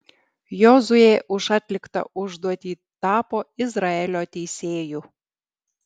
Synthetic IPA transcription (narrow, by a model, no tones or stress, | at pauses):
jozujeʔuʃɑt̪ʲlʲɪkt̪ɑ̰ʔuʒd̪uɔt̪ʲi | t̪ɑpoizrɑelʲot̪ʲejsʲeːju